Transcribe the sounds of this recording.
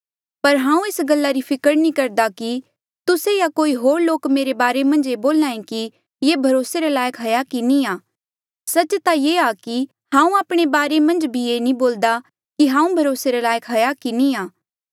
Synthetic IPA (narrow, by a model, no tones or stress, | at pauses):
pɐɾɦãːũeːsɡɐlːaɾipʰɪkəɾnikɐɾd̪aki | t̪ʊsejakoːiɦoːɾloːkmeːɾebaːɾemɐ̃nd͡ʒeboːlãːẽki | jebʱɐɾoːseɾelaːjəkɦɐjakinĩaː | sɐt͡ʃt̪ajeaki | hɦãːũaːpɽ̃ebaːɾemɐ̃nd͡ʒbʱieːnĩboːld̪a | kiɦãːũbʱɐɾoːseɾelaːjəkɦɐjakiniaː